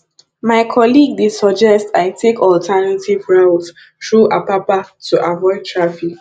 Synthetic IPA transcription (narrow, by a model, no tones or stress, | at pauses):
maɪkʰɔliɡ̚disɔd͡ʒɛstaɪtʰekʰɔltʰɛnativɹaʊt | tɹuʔapapatuʔavɔɪd̚tʰɹafik